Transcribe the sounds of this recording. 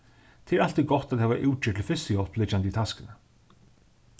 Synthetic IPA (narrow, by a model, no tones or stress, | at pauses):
t̪ʰɪɛɾal̥t̪iɡɔt̪aðhɛvaʔuːt͡ʃɪːt̪ʰɪlfɪsɪjɔlplɪt͡ʃːanit̪ʰaskɪnə